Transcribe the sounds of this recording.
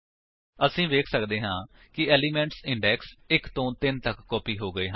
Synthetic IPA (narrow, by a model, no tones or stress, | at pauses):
əsĩːʋeːkʰsəkd̪eːɦãː | kɪɛːliːmɛ̃ɳʈsɪɳɖɛːksɪkt̪õːt̪ɪnt̪əkːɔːpiːɦoːɡəeːɦə̃